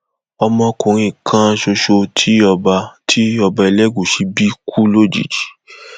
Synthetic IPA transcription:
ɔ˧mɔ̃˧˦kũ˨ɾ̃ĩ˧˨kʰã˦˧ʃo˧ʃo˧tʰi˦ɔ˧ba˧tʰi˦ɔ˧ba˧i˧lɛ˦ɡu˦˨ʃi˧bi˦kʰu˦lo˦˨d͡ʒḭ˨d͡ʒi˨˦

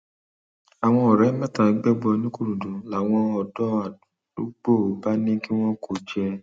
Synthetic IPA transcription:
a˨w̃ɔ̃˧ɔ˨ɾɛ˨˦mɛ̃˦˨ta˨˦ɡ͡bɛ˦ɡ͡bɔ˧nĩ˦ku˦˨ɾũ˨dũ˨˦la˨w̃ɔ̃˧ɔ˧dɔ˦ḁ˨ | o˦ɡ͡bo˦˨o˨˦ba˦nĩ˦ki˦w̃ɔ̃˦ko˦˨d͡ʒɛ˧

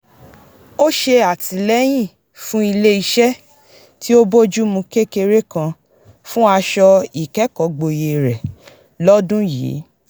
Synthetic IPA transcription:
o˦ʃe˧a˨ti˨lɛ˦j̃ĩ˦˨ | fũ˦i˧le˦i˧ʃɛ˦ | ti˦o˦bo˦d͡ʒu˦mũ˧ke˦ke˧ɾe˦kã˧ | fũ˦a˧ʃɔ˧i˨kɛ˨˦kɔ˨ɡ͡bo˧je˨ɾɛ˨ | lɔ˦dũ˦jḭː˨˦

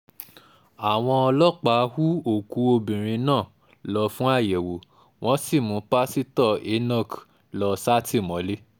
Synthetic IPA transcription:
a˨w̃ɔ̃˧ɔ˧lɔ˦k͡pa˨˦hu˦o˦˨ku˨˦o˧bĩ˨ɾ̃ĩ˧nãː˦˨ | lɔ˧fũ˦a˦˨jɛ˨wo˨˦ | w̃ɔ̃˦si˦˨mũ˨˦pa˦si˦tɔ˦˨e˨˦nɔ̃˦˨k | lɔ˧sa˦tʰi˦˨mɔ̃˨˦le˦

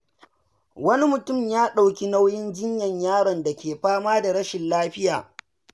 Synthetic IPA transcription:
wɐ˦ni˦mʊ˨tʊ˦˨mjaː˦ɗa˨wkʲi˦na˦wjɪ˦nd͡ʒɪ˦ɲjɐ˨ɲjaː˦ɽɐ˨nda˨kʲeː˨ɸaː˦maː˦da˨ɽɐ˦ʃɪ˨nlaː˦ɸɪ˦jaː˨

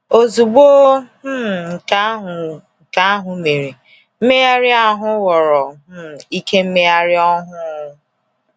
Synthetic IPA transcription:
o˨zu˨ɡ͡boː˦˨ | ŋ̩˨˦˨ŋ̩˨ka˦ɦʊ˨me˨ɾe˨ | m̩˦me˦ja˦ɾɪ˦a˦ɦʊ˦wɔ˨ɾɔ˨˦˨i˦ke˦m̩˦me˦ja˦ɾɪ˦ɔ˦ɦʊ˦˨

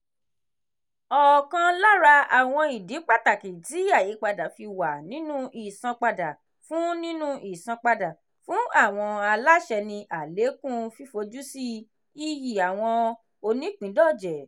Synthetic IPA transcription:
ɔ˨kã˧la˦ɾa˧a˨w̃ɔ̃˧i˨di˨˦k͡pa˦˨ta˨kĩ˨ti˨˦i˦a˦˨ji˨˦k͡pa˧da˨fi˧wa˨nĩ˨˦nũ˦ʔi˨sã˧k͡pa˧da˨ | fũ˨˦nĩ˦nũ˦ʔi˦˨sã˧k͡pa˧da˨ | fũ˨˦a˦˨w̃ɔ̃˧a˧la˦ʃɛ˧nĩ˧ʔa˨le˨˦kũ˦fi˦fo˧d͡ʒu˦si˦ | i˦ji˨a˨w̃ɔ̃˧ | o˧nĩ˨˦k͡pĩ˨˦dɔ˦˨d͡ʒɛ˨

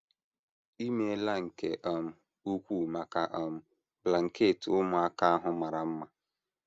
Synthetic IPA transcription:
i˦me˦la˦ŋ̩˨ke˨ʔɔ˨m̩˦ | u˦kʷu˦˨ma˨ka˦ʔɔ˦˨m̩˦ | bla˨ŋ̩˨ke˦˨tʊ˦mʊ˨a˦ka˦a˦ɦʊ˦ma˨ɾa˨m̩˦ma˦

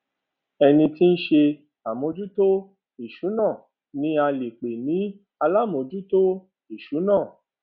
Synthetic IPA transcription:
ɛ˧nĩ˧ti˦n̩˦ʃe˧ | a˨mõ˧d͡ʒu˦to˦ | i˨ʃu˨˦nãː˦˨ | nĩ˨˦a˧le˨k͡pe˨nĩ˨˦ | a˧la˦˨m˨o˧d͡ʒu˦to˦ | i˦˨ʃu˨˦nãː˦˨

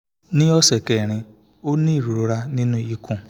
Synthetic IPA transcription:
nɪ̃˦ɔ˦sɛ˨kɛ˨ɾ̃ɪ̃˧ | o˦nĩ˦i˦˨ɾu˨ɾo˨ɾa˦nĩ˦nũ˦i˦kʰũ˦˨

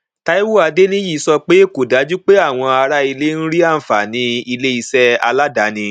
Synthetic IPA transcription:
ta˦i˦wu˦a˧de˦nĩ˦ji˦˨˧sɔ˧k͡pe˦e˦ko˨da˨˦d͡ʒu˦k͡pe˦a˦˨w̃ɔ̃˧a˧ɾa˦i˧le˦˧n̩˦ɾi˦a˦˨fa˨nĩ˨˦i˧le˦i˧sɛ˦a̰˧la˦da˨˦nĩ˧

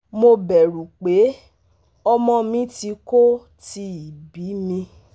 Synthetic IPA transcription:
mo˧bɛ˨ɾu˨k͡pe˨˦ | ɔ˧mɔ̃˧mĩ˨˦ti˧ko˦ | ti˧˦i˨bi˨˦mĩ˧

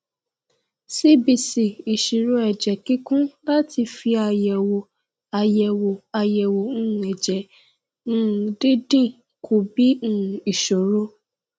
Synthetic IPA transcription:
si˦bi˨si˨i˨ʃi˨ɾo˧ɛ˨d͡ʒɛ˨ki˦kũ˦la˦ti˧fi˧a˧jɛ˨wo˨ | a˨jɛ˨wo˨a˨jɛ˨wo˨ñ̩ː˦˨ɛ˨d͡ʒɛ̃˨˦˨ | di˦dĩ˦˨ | kʰo˨bĩ˨˦˨i˨ʃo˨ɾo˧˦

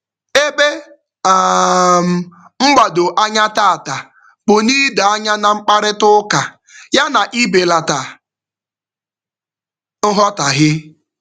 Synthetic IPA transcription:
e˦be˦ | a˨m̩˨ | ŋ͡m̩˦ɡ͡ba˨do˨ʔa˦ɲa˦ta˦a˨ta˨ | bʊ˨niː˦da˨a˦ɲa˦na˨ŋ͡m̩˦k͡pa˦ɾɪ˦tʊ˦ka˨ | ja˦na˨ʔi˦be˨la˨ta˨ | n̩˦ɦɔ˦ta˨ɦɪ˦

